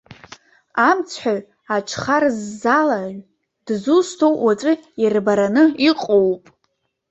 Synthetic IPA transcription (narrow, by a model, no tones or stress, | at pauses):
amt͡sʰħʷᶣaɥ | aʈ͡ʂʰχarzːalaʒʷ | d̥zustʰowʔwat͡sʷʼɨirbaɾanɨiqʼowpʼ